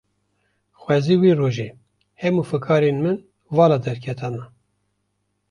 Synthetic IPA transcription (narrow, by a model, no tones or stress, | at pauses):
xʷwɛziːwiːroːʒe | hɛmuːfɨkʰɑːɾenmɨn | vɑːlɑd̪ɛɾkʰɛt̪ʰɑnɑ